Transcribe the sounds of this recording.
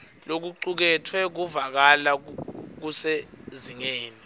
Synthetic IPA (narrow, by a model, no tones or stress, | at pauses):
lok̬uǃuk̬ɛtʰwɛk̬uvak̬alak̬useziŋeːni